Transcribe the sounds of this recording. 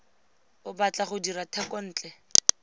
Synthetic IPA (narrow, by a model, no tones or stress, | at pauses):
ʊbat͡ɬʼaχʊdiɾatʰɛkʼɔn̩ːt͡ɬʼɛ